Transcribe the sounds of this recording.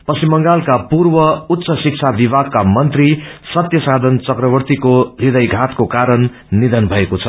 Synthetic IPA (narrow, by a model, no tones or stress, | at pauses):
pʌsimʌŋɡalkapurbʌut̪ːsʌsik̚t͡sʰabibʱaɡ̚kamʌnt̪risʌt̪jʌsad̪ʱʌnt͡sʌkrʌbʌrt̪ikorid̪ʌjɡʱat̪kokaɾʌnː | id̪ʱʌnbʱʌekot͡sʰʌ